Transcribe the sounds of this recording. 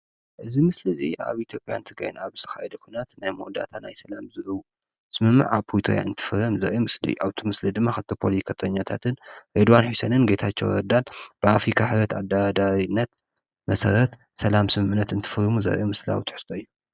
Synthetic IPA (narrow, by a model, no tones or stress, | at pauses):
ʔɨzimɨslɨzḭʔa̰βit̪ʰjo̞pʼja̰nt̪ʰɨɡɾa̰jnaβɨ̥st̪ʰɨ̥xa̰jɛd̪ɐkʰʷunat̪najmod̪a̰t̪ʰanajsɐlamzɨʔɨwu | sɨmɨmːɨ̰ʕapʰojt̪ʰo̰ja̰ɨnt̪ʰɨ̥fɨɾɐmzɐ̰ɾɛmɨslḭjuʔaβt̪ʰimɨslid̪ɨmːaxɨt̪ʰopʰoliskʰɐt̪ʼɐɲːat̪ʰat̪ʰɨnɾed̪wanħusɐnɨnɡet̪ʰat͡ʃːɛ̰wɾɐd̪alb̥ɨafɾikʰaħɨβɾɐt̪ad̪ːaɾad̪aɾinːɐt̪ | mɐsɐɾɐt̪ | sɐlamsɨmɨʕnːɐt̪ɨnt̪ʰɨ̥fɨɾɨmuzɐ̰ɾʔjemɨsla̰wt̪ʰɨ̥ħɨ̥st̪ʼoɨjːu